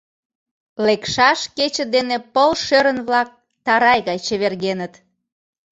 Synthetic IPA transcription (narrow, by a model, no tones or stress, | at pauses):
lekʃɑʃket͡ɕə̆d̪enepəlʃøɾənβlɑk̚ | t̪ɑɾɑjɣɑjt͡ɕəβerɣenət̪